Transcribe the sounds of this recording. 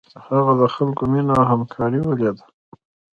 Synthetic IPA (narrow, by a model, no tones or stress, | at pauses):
haɣad̪əxalkominaɦamkʰɑɾiwəljad̪ḁ